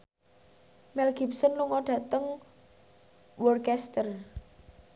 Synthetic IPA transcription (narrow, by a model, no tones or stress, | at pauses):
mɛlɡ̥i̤p̚sɔnluŋɔɖ̥ä̤t̪əŋ | wɔrkɛst̪ər